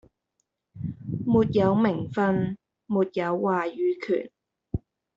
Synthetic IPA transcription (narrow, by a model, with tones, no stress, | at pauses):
muː˨t̚jɐ˨˧˥wmɪ˨˩ŋfɐ˧n | muː˨t̚jɐ˨˧wːaː˨jyː˨˥kʰy̰ː˨˩n